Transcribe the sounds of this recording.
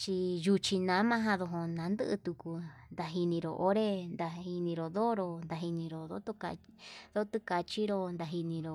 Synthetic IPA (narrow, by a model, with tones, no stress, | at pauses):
t͡ʃi˧ju˧t͡ʃi˧nã˨˦mã˧˦ɦã˧ðo˧ɦo˧nã˨˧˦nd̪ɨ˦ʔɨ̰˧t̪u˧ku˧nd̪a˧ɦi˧nĩ˧ɾo̰˨ʔo˧˦ɾe˦nd̪a˧hi˧nĩ˧ɾo˨ðo˦ɾo˧nd̪a˧ɦi˧nĩ˧ɾo˨ðo˦t̪o˦ka̰˧ðo˦t̪u˦ka˧t͡ʃi˦ɾo˧nd̪a˧ɦi˧nĩ˧ɾo˧